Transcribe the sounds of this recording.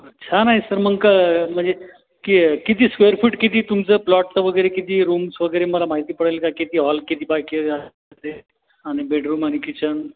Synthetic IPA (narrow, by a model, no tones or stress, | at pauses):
ətːt͡ɕʰanaɦisəɾməŋkam̤əɳd͡ze | kikit̪iːskʋejəɾfʰiːʈkit̪it̪umt͡səplɔʈ̚t͡səʋəɡəɾekit̪iɾuːmsʋəɡəjɾeməlamaɦit̪ipəɽəlkakit̪iɦɔlkit̪ʰibakia | t̪e | anibeɖɾuːmanikit͡ɕən